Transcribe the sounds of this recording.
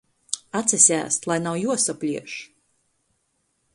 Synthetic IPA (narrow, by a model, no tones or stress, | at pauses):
at̪sɛsʲæ̰ːst̪lˠajnawjuɔsɔpʲlʲiɛʃ